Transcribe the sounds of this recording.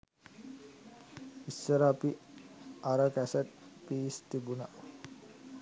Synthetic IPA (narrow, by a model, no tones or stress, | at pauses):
isːəɾəːpi | aɾəkæsət̪̚piːst̪ibuna